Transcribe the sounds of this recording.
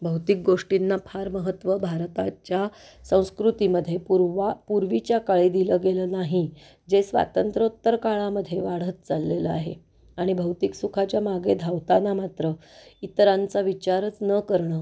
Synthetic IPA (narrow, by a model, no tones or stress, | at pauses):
bʱəwt̪ik̚ɡoʂʈinːapʰaɾməɦət̪ʋəbʱaɾt̪at͡ɕja | sə̃w̃skɾut̪iməd̪ʱːjepupuɾʋit͡ɕjakaɭid̪iləɡelənaɦi | d͡zesʋa̰t̪ənt̪ɾəut̪ːəɾkaɭaməd̪ʱːjeʋaɽ̤ət̪̚t͡salːeləa̰ɦḛ | aɽ̃ibʱəwt̪iksukʰat͡ɕjamaɡed̪ʱawt̪anamat̪ɾəit̪əɾãnt͡saʋit͡ɕaɾət͡snəkəɾɳəː